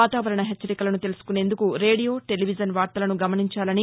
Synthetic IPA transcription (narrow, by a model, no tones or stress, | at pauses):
aːt̪aːʋɐɾɐɳɐɦet͡ʃːɐɾikɐlɐnut̪e̞lusu̥kune̞ːnd̪ukuɾe̞ːɽijo̞ːʈe̞liʋid͡ʒɐnʋaːɾt̪ɐlɐnuɡɐmɐniɲt͡ʃaːlɐni